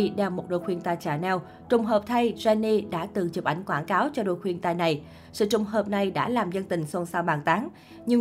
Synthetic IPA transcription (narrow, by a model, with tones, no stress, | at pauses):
ɗɛ˨˩wmo˨˩ɗo̰˧˨˩jxwi˧ənt̪aː˧jt͡ɕaː˧˩nɛ˧w | t͡ɕʊ˨˩ŋ͡mɦəː˨˩p̚t̪ʰa˧jzɛ˧nːi˧ɗa̰ː˧˥t̪ɨ˨˩t͡ɕɨ˨˩p̚ʔa˨˩jŋ̟kwaː˧˩nkaː˨˦wt͡ɕɔ˧ɗo̰˧˨˩jxwi˧ənt̪aː˧jna˨˩j | sɨ̰˧˨t͡ɕʊ˨˩ŋ͡mɦəː˨˩p̚na˨˩jɗa̰ː˧˥laː˨˩mzə˧nt̪ï˨˩ŋ̟swə˧nsaː˧wɓaː˨˩nt̪aː˨˦ŋ | ɲɨ˧